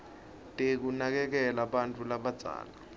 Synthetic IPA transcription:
tʼek̬unak̬ɛk̬ɛlaɓantʼulaɓad̥z̥ʱa̰ːla

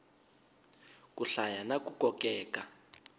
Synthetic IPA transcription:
k̬ʼuɬajanakukɔkʼɛːka

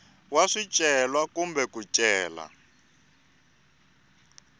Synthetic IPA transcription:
waʂit͡ʃʼɛlwakumbɛkut͡ʃʼɛːla̰

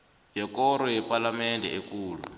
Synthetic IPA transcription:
jɛkɔɾɔjɛpʼalamɛndʱɛ̰ekuːlṵ

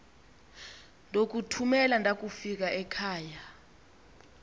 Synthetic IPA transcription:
ndʱok̬utʰumɛlandʱak̬ʼufik̬aʔɛkʰaːja

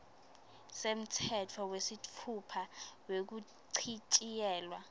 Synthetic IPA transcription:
sem̩tʰɛtʰɔwesitʰupʰawek̬u | ǀʰit͡ʃʼijɛːlwa

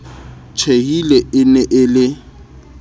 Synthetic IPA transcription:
t͡ʃʰeɦilɛɪnɛʔɪlɪ

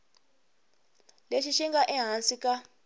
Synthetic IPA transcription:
leʃiʃiŋɡaʔɛɦansikʼa

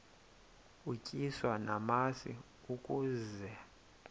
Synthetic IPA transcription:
ucʼiswanamasḭ | ukʼuːzɛ

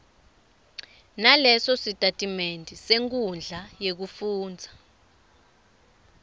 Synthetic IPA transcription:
nalɛsɔsitʼatʼimentʼiseŋk̬ʼund͡ɮʱajek̬ufuːnd͡zʱa

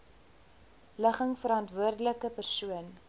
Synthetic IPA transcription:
ləχəŋfəɾɑntvuərdələkəpərsuən

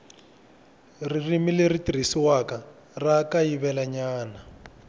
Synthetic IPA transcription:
ririmileritiɾ̤isiwaka | rakajiβɛlaɲaːna

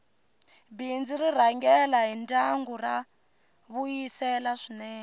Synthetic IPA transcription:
bind͡ziriraŋɡɛlaɦintaŋɡura | βujisɛlaʂinɛːnɛ

